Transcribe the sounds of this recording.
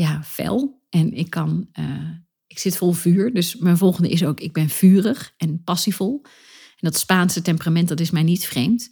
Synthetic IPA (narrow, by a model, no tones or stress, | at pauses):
jafɛ̰lˠ | ʔɛnɪkʰːɑnə | ɪksɪtfɔlˠvyːɹdøsmɛjnvɔlˠχəndəʔɪs̬owkɪɡ̚bɛnv̥yːrəχɛnpɑsivɔlˠ | ɛndɔtspaːnsətɛmpəramɛnt̚dɔtɪsmɛjnitfrejmt